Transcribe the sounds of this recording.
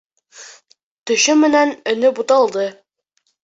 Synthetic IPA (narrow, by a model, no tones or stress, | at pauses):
t̪ɵ̆ɕɵmɘ̆nænɵ̆nɵbut̪ɑlˠd̪ɤ